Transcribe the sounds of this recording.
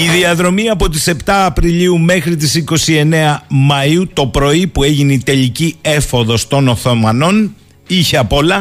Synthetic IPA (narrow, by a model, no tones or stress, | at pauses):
iðiɐðɾo̞miɐpo̞t̪̬ise̞pt̪ɐːpɾiliume̞xɾit̪̬isiko̞sie̞ne̞ɐmɐiut̪o̞pɾo̞ipue̞ʝineit̪e̞ʎicie̞fo̞ðo̞st̪o̞no̞θo̞mɐno̞n | içeɐpo̞lɐ